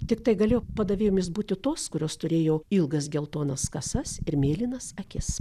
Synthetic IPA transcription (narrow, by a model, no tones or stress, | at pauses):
t̪ʲɪkt̪ɐɪɡɐlʲeːjoːpɐd̪ɐʋʲeːjoːmʲɪsbuːt̪ʲɪt̪oːskʊɾʲoːst̪ʊɾʲeːjoːɪlˠɡɐs̬ɡʲɛlˠt̪oːnɐskɐsɐsɪɾmʲeːlʲinɐsɐkʲɪs